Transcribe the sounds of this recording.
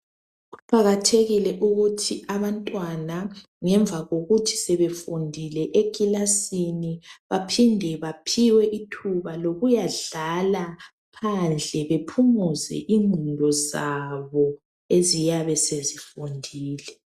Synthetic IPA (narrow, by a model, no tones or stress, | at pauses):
ɣuǃaɣatʰeɣilɛʔuɣutʰiʔaβantʼwana | ŋɛɱb̪vʱaɣoɣutʰi̥sɛβefundʱilɛʔekʼilasiniβapʰindʱɛβapʰiwɛʔitʰuβaloɣujaɮala | pʰand͡ɮʱɛβepʰumuzɛ̰ʔiŋʱundʱɔzaβɔ | ezijaβɛsezifundʱiːlɛ